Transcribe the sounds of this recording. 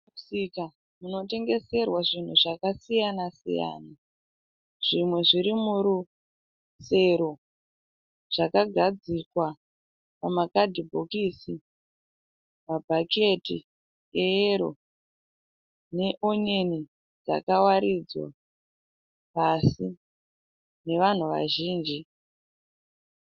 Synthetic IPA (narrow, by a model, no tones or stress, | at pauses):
usika | muno̞te̞ŋɡe̞se̞rwaʐin̤uʐakasijanasḭja̰ːna | ʐ̥imwe̞ʐiɾimuɾu | se̞ɾo̞ | ʐ̥akaɡʱad͡zikwa | pamakadʱibʱokiːsi | mabʱake̞ti | eeɾo | ne̞ʔo̞ɲe̞ni | d͡za̰kawaɾid͡zwa̰ | pasi | ne̞ʋan̤uʋa̰ʒiːnd͡ʒi